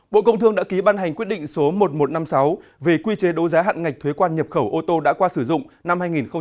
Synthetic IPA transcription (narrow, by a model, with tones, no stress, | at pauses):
ɓo̰˧˨kə˧wŋ͡mt̪ɨ˧əŋɗa̰ː˧˥ki˨˦ɓaː˧nɦa˨˩jŋ̟kwt̚ɗḭ˧˨ŋ̟so˨˦mo˨˩t̚mo˨˩t̚na˧msa˨˦wve˨˩kwi˧t͡ɕe˨˦ɗo˨˦wzaː˨˦ɦa̰ː˧˨nŋa˨˩k̟̚t̪ʰwe˨˦kwaː˧nɲə˨˩p̚xə˧˩wʔo˧t̪o˧ɗa̰ː˧˥kwaː˧sɨ˧˩zʊ̰˧˨ŋ͡mna˧mhaː˧jŋi˨˩nxə˧ŋ͡m